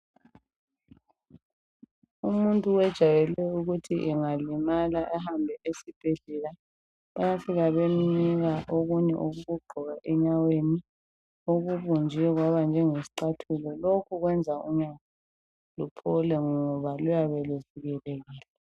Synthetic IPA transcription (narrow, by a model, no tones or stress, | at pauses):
umuntʼuwɛd̥ʒ̥ʱajɛlɛuɣutʰiʔɛŋalimalaʔɛɦambʱɛʔesib̥ʱeɮɛla | ajafiɣaβeminiɣaʔoɣuɲɛ̰ʔoɣuɣuɡ͡ǃʱɔɣaʔɛɲaweni | oɣuβund͡ʒʱiɛɣwaβand͡ʒʱɛŋesi̥ǃatʰulɔlokʰuɣwɛnd͡zʱauɲaa | lupʰɔlɛŋɔβalujaβɛluviɣɛlɛɣiːlɛ